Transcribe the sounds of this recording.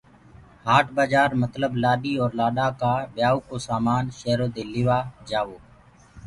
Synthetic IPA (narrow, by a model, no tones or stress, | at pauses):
haːʈbaːd͡ʒaːɾmət̪ləblaːɗiːɔːɾlaːɗaːkaːɓjaːoːkoːsaːmaːnʃeːɦɾoːd̪eːlɪʋaːd͡ʒaːʋoː